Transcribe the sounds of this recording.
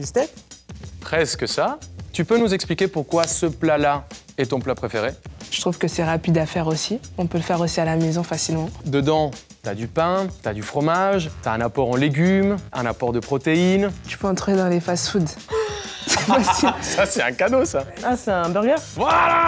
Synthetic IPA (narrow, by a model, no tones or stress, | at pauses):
ist̪ɛ | pχɛskəsat̪ypønuzɛksplikʲepuʁkwasəplala | ɛt̪ɔ̃plapχefeʁeʒə̥t̪χuvkəsɛʁapid̪afɛʁosiɔ̃pøləfɛʁosialamezɔ̃fasilmɑ̃d̪əd̪ɑ̃ | t̪yad̪ypɛ̃t̪yad̪yfχɔmaʒt̪yaɛ̃napɔʁɑ̃leɡʲymɛ̃napɔʁd̪əpχɔt̪eint̪y̥pøɑ̃t̪χed̪ɑ̃lefasud̪ | spasisasɛt̪ɛ̃kad̪osaaseɛ̃bɛʁɡɛʁvwala